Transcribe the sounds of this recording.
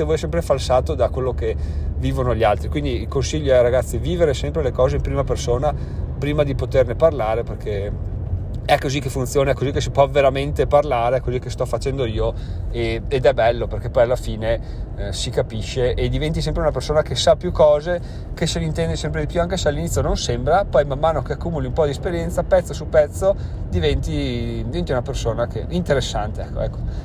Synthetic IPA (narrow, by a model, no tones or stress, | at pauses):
t̪evɔːjsɛmpɾefalsaːt̪od̪akwelːokeviːvonoʎialt̪ɾikwind̪iilkonsiʎːoɛraɡat̪sːiviːveɾesɛmpɾelekɔːzeimpɾiːmapersoːna | pɾiːmad̪ipot̪erneparlaːɾeperkʰe | ɛkːozikːefunjoːnaɛkːozikːes̬ipwɔveɾament̪eparlaːɾeɛkːozikːest̪ɔfːat͡ʃɛnd̪oiːoeːd̪ɛbɛlːoperk̟epːɔjalːafiːne | sikapiʃːeʔed̪ːivɛnt̪is̬ɛmpɾeunapersoːnakesːapːjukːɔːze | keselint̪ɛnd̪esɛmpɾed̪ipjuaŋkesealːinit̪sʲːjononsembɾapɔjmamːaːnokeakːuːmuliumpɔd̪iɛspeɾjɛnt̪sapɛt̪sːosupɛt̪sːod̪ivɛnt̪idd̪ivɛnt̪iunapersoːnakeint̪eɾesːant̪eɛkːo̰ɛ̰kːo̥